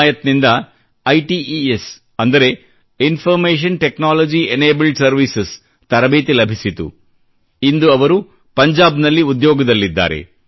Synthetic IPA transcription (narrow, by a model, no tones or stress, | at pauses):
jɐt̪nind̪ɐ | ɐjʈiies | ɐnd̪ɐɾe̞ | infʰɐɾmeːʃ̬ɐnʈeknaːlod͡ʒieneːbɐlɖsɐɾʋises | t̪ɐɾɐbeːt̪ilɐbʱisit̪ṵ | ind̪uɐʋɐɾu | pɐɲd͡ʒaːbnɐlːiud̪jɔːɡɐd̪ɐlːid̪ːa̰ːɾe̞̰